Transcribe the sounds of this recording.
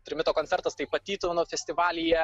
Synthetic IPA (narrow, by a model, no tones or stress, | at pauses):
t̪ʲɾʲɪmʲɪt̪oːkonʲt͡ssʲɛɾt̪ɐst̪ɐɪpɐt̪ʲiːt̪unofʲɛsʲt̪ʲɪʋɑːlʲɪjɛ